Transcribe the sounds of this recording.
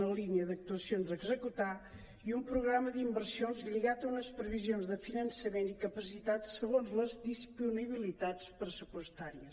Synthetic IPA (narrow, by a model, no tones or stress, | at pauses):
nəliniəðək̚t̪uəsionzəɡzəkut̪a | iumpɾuɣɾaməðimbəɾsionzʎiɣat̪ɐunəspɾəβizionzðəfinənsəment̪ikəpəsit̪at̪səɣonzləzðispuniβ̞ilit̪at͡spɾəsupwəst̪aɾiəs